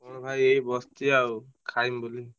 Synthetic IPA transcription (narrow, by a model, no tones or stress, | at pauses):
ɔnbʱajejbɔst̪iaw | kʰajmbuli